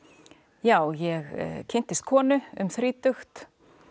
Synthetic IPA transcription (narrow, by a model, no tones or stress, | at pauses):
jaːwjɛɣcʰɪn̥t̪ɪst̪̚kʰɔːnʏʏ̰mθɾiːt̪ʏxt̪